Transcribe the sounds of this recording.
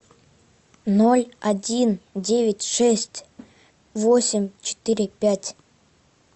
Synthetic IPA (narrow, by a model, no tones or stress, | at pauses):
nolʲɐdʲindʲevʲɪtʲʂɛsʲtʲ | vosʲɪmʲt͡ɕɪ̥t̪ɨɾʲɪpʲætʲ